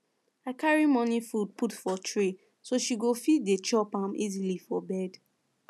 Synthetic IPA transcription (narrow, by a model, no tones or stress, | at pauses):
aɪkaɹimɔnifud̚putfɔtʰɹi | soʃiɡofitdet͡ʃɔpãmʔḭzilifɔbɛd